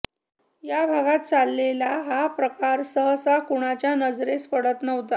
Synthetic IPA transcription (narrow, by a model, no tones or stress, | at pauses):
jabʱaɡat̪̚t͡salːelaɦapɾəkaɾsəɦəsakuɽ̃at͡ɕjanəd͡zɾespəɽət̪nəʋt̪a